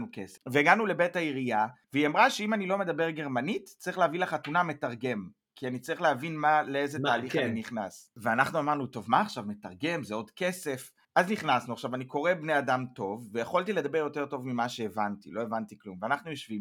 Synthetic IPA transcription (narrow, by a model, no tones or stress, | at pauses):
nukesveːɡanule̞bethaiʁija | veiamʁaʃeimanilo̞me̞d̪abe̞ʁɡe̞ʁmanitt͡saʁiχleavilaχatuname̞taʁɡe̞m | kʰianit͡saʁiχleavinmaleezetaːliχaniniχnasveanaχnuamaʁnuto̞vmaːχʃavme̞taʁɡe̞mzeo̞d̪ke̞se̞f | ʔazniχnasnuaχʃavaniko̞ʁe̞bnejadamt̪o̞vːejaχoltile̞d̪abe̞ʁjo̞te̞ʁto̞vmimaʃe̞ːvantilo̞evantiklumveanaχnujoʃvim